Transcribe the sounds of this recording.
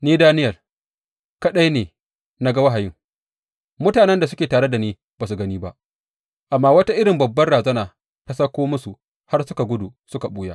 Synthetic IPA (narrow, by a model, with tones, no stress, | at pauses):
niː˦daː˦nɪ˦jɐ˨r | kɐ˦ɗa˦jneː˨ | na˦ɡa˦wa˦ɦa˨jɪ˦ŋ | mʊ˦taː˨nɛ˦nda˨sʊ˦kʲeː˨taː˨ɽe˦da˨niː˦ | b̥aː˨s̬u˨ɡɐ˦niː˦ba̰˦ʔ | ʔa˨mːaː˦wɐ˦ta˦ʔɪ˦ɽɪ˨mbɐ˨bːɐ˦nɽaː˨zɐ˦naː˨ | tɐ˦sa˦kʷoː˦mʊ˦su˨ | ha˦rsʊ˦ka˨ɡʷʊ˦du˨sʊ˦ka˨ɓuː˦jaː˦ʔ